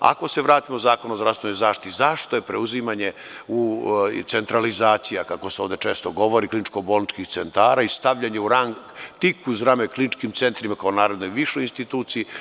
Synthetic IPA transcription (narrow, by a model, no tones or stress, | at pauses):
a̰ko̞se̞ʋɾaːt̪imozaːkonozdɾafst̪ʋenojzaːʃt̪i̥t̪izaʃt̪ojepɾeuzimaɲe | ut̪se̞nt̪ɾalizaːt̪sijakako̞seoʋd̪e̞t͡ʃe̞ːst̪oɡo̞ʋo̞ɾiklinit͡ʃkobolnit͡ʃkixt̪se̞nt̪aːɾaist̪aʋʎaɲeuɾaŋkt̪ikuzɾameklinit͡ʃkimt̪se̞nt̪ɾimakaonaːɾed̪nojʋiʃojinst̪it̪uːt̪siji